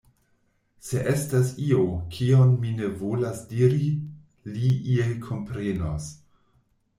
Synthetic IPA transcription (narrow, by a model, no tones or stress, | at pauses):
se̞ʔe̞stasiokʰionmine̞vo̞lasdiɾi | liʔielkʰo̞mpɾe̞no̰s